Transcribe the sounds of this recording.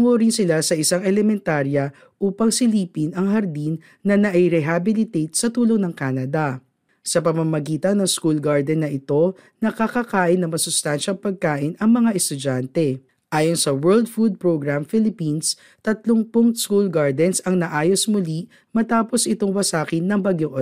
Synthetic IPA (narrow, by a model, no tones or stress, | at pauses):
ŋoɾɪnsɪlasɐʔɪsaŋɛlɛmɛnt̪aːɾjɐ | ʔuːpɐŋsɪliːpinɐŋɦɐɾd̪inːɐnɐʔɪɾɛɦabɪlɪt̪ejt̪̚sɐt̪uːloŋnɐŋkaːnɐd̪ɐ | sɐpɐmɐmɐɡiːt̪ɐnːɐŋskulɡaɹd̪ɛnːɐʔɪt̪o̞ | nɐkɐkɐkaːʔɪnːɐŋmɐsʊst̪anʃɐŋpɐɡ̚kaːʔɪnɐŋmɐŋaʔɛst̪ʊd͡ʒant̪ɛ | ʔaːjonsɐwɛld̪̚fud̪̚pɹoɡɹamfilɪpins | t̪ɐt̪loŋpʊŋskulɡaɹd̪ɛnsɐŋnɐʔaːjo̞smʊli | mɐt̪aːposʔɪt̪oŋwɐsaːkɪnːɐŋbɐɡjoŋʔ